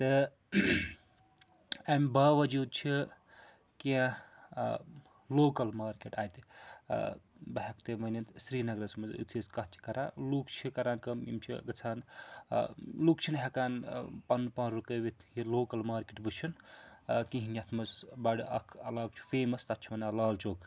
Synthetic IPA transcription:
t̪ɨ | ɐmbaːʋɐd͡ʒuːd̪̚t͡ʃʰi | kiã | loːkɐlmaːɾkeʈaːjt̪i | bɐɦɐkt̪emɐnɐnt̪sɾiːnɐɡɾɐsmɐz̰ṵt̪ʰizkɐt̪t͡ʃʰi̥kɐɾa̰ːlukt͡ʃʰikɐɾaːnkɐmḭmt͡ʃʰḭɡɐt͡sʰaːn | luk̚t͡ʃʰinɦekaːnpɐnːpɐnɾukəːbit̪ʰjiloːkɐlmaːɾkeʈbɨt͡ʃʰin | kĩɦinjɐt̪ʰmɐsbɐɽiʔɐ̰kʰɐlaːɡ̚t͡ʃʰu̥feːmɐst̪ɐt͡ʃʰimɐnɐlaːlt͡ʃoːkʰ

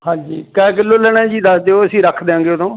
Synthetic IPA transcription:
hãːɲd͡ʒiːkɛ̃ːk̬ɪloːləɽ̃ɛ̃ːd͡ʒiːd̪əsd̪eːoəsĩːɾəkʰd̪eːãːŋɡeːot̪ʰõː

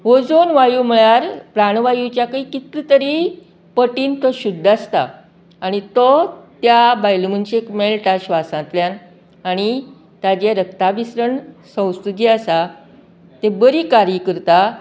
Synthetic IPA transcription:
ɦod͡zonʋajum̤əɭaɾpɾaɽʋajut͡ɕjakəikit̪ɾit̪əɾi | pəʈiːnt̪əɕud̪ʱːast̪a̰ː | ɽ̃it̪ɔt̪jabajlmənt͡ɕekmeɭʈaɕʋasãnt̪ljan | aɽ̃i | t̪ad͡ʑeɾəkt̪abisɾəɳsə̃w̃st̪ut̪iasa | t̪ebəɾiːkaɾjəkəɾt̪a

